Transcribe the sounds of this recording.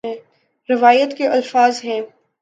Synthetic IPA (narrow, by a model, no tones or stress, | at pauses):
ɛ̃ː | ɾɪʋaːjət̪keʔɐlfaːzɦɛ̃ː